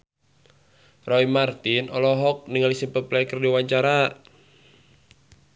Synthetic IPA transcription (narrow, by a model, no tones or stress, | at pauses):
rɔimart̪inɔlɔɦɔk̚niŋɡalisimpəplɛkərdiwaɲt͡ʃaɾa